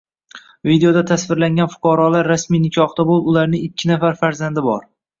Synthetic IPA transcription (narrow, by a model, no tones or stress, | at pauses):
vid̪ejo̞d̪at̪ʰasvɪɾlaŋɡʲanfʊ̥qʰɑɾɒlaɾːasmijnɪkʲʰɒχt̪abolˠɪbʊlaɾnɪŋɪkʲʰːɪnafaɾfaɾzand̪ɪbɒ̰ɾ